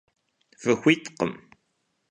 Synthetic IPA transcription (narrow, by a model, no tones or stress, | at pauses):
fəxʷːit̪qəm